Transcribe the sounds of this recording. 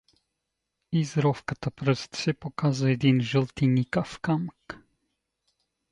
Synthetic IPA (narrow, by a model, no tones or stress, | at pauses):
izɾɔfkat̪apɾəst̪sɛpokazujed̪inʒəlt̪inikafkamk